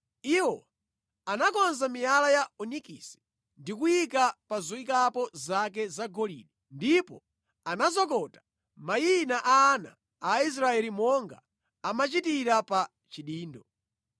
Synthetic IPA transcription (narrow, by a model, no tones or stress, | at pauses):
iwɔ | anakɔnzamijalajaunikisi̥ | ndikujikapazɔikapɔzak̬ɛzaɡɔlḭːɗi | ndipɔ | anazɔkɔtḁ | majinaʔaːna̰ː | is̬ɾaɛlimɔŋɡa | amat͡ʃitiɾapa | t͡ʃiɗiːndɔ